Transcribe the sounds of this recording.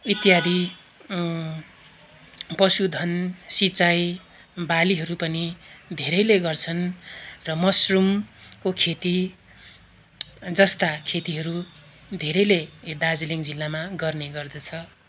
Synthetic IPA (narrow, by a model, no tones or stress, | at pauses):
it̪jad̪ʱi | pʌsud̪ʱʌnsit͡saj | baliɦʌɾupʌnid̪ʱeɾʌjleɡʌrt͡sʰʌnrʌmʌsrumkokʰet̪i | d͡zʌst̪akʰet̪iɦʌɾu | d̪ʱeɾʌjled̪ard͡ziliŋd͡zilːamaɡʌrneɡʌrd̪ʌt͡sʰʌ